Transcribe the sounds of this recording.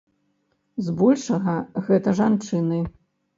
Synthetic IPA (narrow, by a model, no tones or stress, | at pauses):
zbɔlʲʂɐɣɐɣɛt̪ɐʐant͡ʂɨnɨ